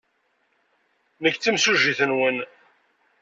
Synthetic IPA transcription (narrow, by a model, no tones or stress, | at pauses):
nəkːt͡sːimsuʒiθənwən